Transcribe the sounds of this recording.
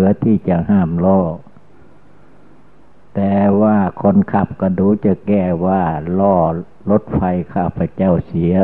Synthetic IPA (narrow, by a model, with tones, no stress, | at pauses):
ɯ˨˦ɐt̪ʰiː˧˩˨t͡ɕa˧˩haː˧˩˨mlɔː˧˩ | t̪ɛː˧˩waː˧˩kʰɔ˧˥˨nkʰa˧˩p̚ka˧˩duː˨˦t͡ɕa˧˩kɛː˧˩waː˧˩lɔː˧˩ | lo˧˦˥t̪̚fa˧jkʰaː˧˩pʰa˧˦t͡ɕa˥˩˨wsi˨˦ɐ